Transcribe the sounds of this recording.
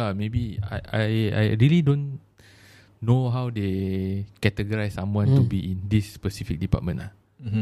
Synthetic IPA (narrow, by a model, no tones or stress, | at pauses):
amebia̰ja̰ja̰jɹilidõn | oɦawdekɛtəɡəɹajsːãmwãntubiʔĩndispəsifik̚dipa̰t̚mə̃nʔla̰